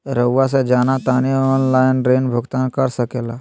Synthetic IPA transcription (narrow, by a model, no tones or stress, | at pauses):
ɾəwːas̬ed͡ʒaːnat̪aːniɔːnlaɪnɖɾeːnbʱʊɡt̪ankəɾsəkeːla